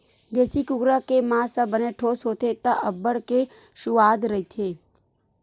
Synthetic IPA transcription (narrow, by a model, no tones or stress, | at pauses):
d͡ʒ̪ɛːsikʊɡɾakemãːsə̃bəneʈʰoːsɦoːt̪et̪aʔəbːəɽke | ʃʊʋaːd̪ɾɐɦit̪ʰeː